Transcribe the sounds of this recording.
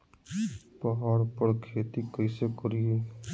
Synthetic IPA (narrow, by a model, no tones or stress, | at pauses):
pɔɦɔːɾpəɾkʰeːt̪ikəɪsekʊɾie